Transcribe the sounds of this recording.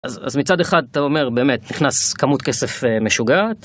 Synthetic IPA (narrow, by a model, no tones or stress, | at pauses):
aza̰zmit͡sadeχad̪at̪aome̞ʁbe̞ːmetniχnaskamutkesefeme̞ʃuɡat